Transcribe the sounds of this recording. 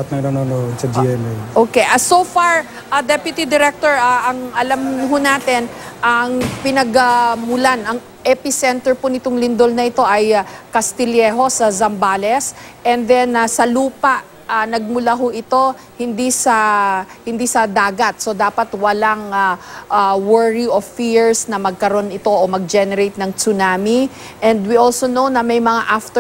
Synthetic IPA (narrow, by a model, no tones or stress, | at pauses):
t̪̚nɐnononosɐd͡ʒiʔɛmɛjʔoːkeʔasofaɹ | ʔɐd̪ɛpjʊt̪id̪ɪɾɛk̚t̪oɹaʔɐŋʔɐlamɦʊnaːt̪ɛn | ʔɐŋpɪnɐɡamʊlanɐŋ | ʔɛpɪsɛnt̪ɛɹpʊnɪt̪oŋlɪnd̪o̞lnɐʔɪt̪o̞ʔɐjkɐst̪ɪljɛːɦo̞sɐzɐmbaːlɛsʔɛnd̪ɛnɐsɐluːpaʔ | anɐɡ̚mʊlaɦʊʔɪt̪o̞ | hɪnd̪isɐhɪnd̪isɐd̪aːɡɐt̪̚so̞d̪aːpɐt̪wɐlaŋaʔawɛɹiʔofiɹsnɐmɐɡ̚kɐɾo̞nɪt̪o̞ʔomɐɡ̚d͡ʒɛnɛɾejt̪̚nɐŋsʊnaːmi | ʔɛnd̪wiʔolsonownɐmɐjmɐŋaʔaft̪ɛ